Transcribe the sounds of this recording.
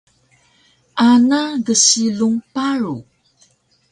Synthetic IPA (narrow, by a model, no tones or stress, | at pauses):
ʔanaɡəɕiluŋpaɾu